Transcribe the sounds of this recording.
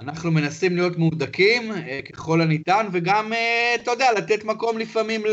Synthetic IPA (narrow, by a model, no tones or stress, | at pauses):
anaχnume̞nasimlijo̞tmud̪akimke̞χo̞lanit̪anve̞ɡamet̪od̪ealat̪e̞t̪mako̞mlifamiml